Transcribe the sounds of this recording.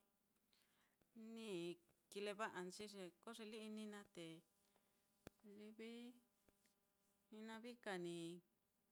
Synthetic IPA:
nĩ˦˨ki˧le˧βa˦ʔa˨nt͡ʃi˦ʐe˧ko˦ʐe˧li˦i˧nĩ˧nã˦t̪e˨ | li˧βi˦ | ĩ˧nã˧βi˦ka˨nĩ˨

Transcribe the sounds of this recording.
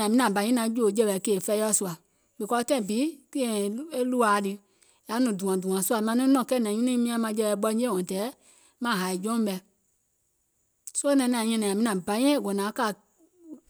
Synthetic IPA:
ã˨mĩ˦nã˨bã˨ɲĩ˦ã˨˦d͡ʒo˦˨˦d͡ʒɛ˧ɓɛ˨keː˨fɛ˧˦ɔ˦˨su˧a˨ | ɓe˨kɔ˧tɛ̃˦ĩ˨biː˨˦ki˦ɛ̃˨e˦lu˦aː˨˦dɨ˧ | ja˨˦nũ˨dũ˨ã˨dũ˨ã˨su˦a˨mã˧nĩ˦nɔ̃˨kɛ˦˨nã˨˦ĩ˦ĩ˦mĩ˧˦ã˧˦mã˧˦d͡ʒɛ˧ɓɛ˧˨˦ɓɔ̃˧˦d͡ʒẽ˦˨ɔ̃˨tɛː˨˦ | mã˦˨ɦa˨i˨d͡ʒɔ̃˦ɓɛ˧ | so˦o˦nã˧˨˦nã˨˧ɲɛ̃˧nɛ̃˨a˨mĩ˧nã˨bã˨˦ɲ̃˦ɛ̃˦˨ɡɔ̃˨nã˨˦ka˦˨

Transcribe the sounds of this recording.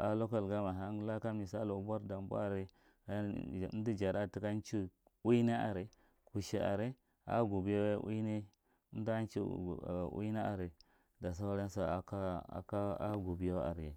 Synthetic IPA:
a˨lo˦ka˦lɡa˦ma˨ɦa˦ŋ˦la˦ka˦mi˨sa˦lo˨˦bʷa˦ɾda˨m˦bṵ˦a˨ɾi˨˦˨ | di˦d͡ʒa˨ɾa˦˨ti˦ka˦n˦t͡ʃi˦ | wu˦ne˦a̰˨ɾi˨ | ku˨ʃi˨a̰˨ɾe˦ | a̰˦ɡu˨bi˦jo˦ʔṵ˦ne˦ | n˦da˦nt͡ʃḭ˦˨ṵ˦ne˦a̰˨ɾe˨ | da˨s̬a˦wɾe˦n˦sa˨ka˦a̰˨ka˦a˦ɡu˨bi˨˦jo˦a̰˨ɾje˨

